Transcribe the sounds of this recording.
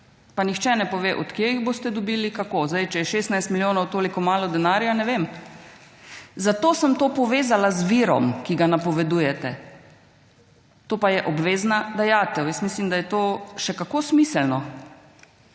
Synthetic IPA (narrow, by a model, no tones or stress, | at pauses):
panixt͡ʃɛnɛpɔʋeːʔɔt̪kjejiɣbost̪ɛd̪ɔbiːlikakoːzd̪ajt͡ʃɛjɛʃeːst̪najst̪miljoːnɔwt̪oːlikɔmaːlɔd̪ɛnaːɾjanɛʋem | zat̪oːsəmt̪oːpɔʋeːzalazʋiɾɔ̰mkiɡanapɔʋɛd̪uːjɛt̪ɛ | t̪oːpajɛʔɔbʋeːznad̪ajaːt̪ɛwjɛsmiːslimd̪ajɛt̪oːʃɛkakoːsmiːsəlnɔ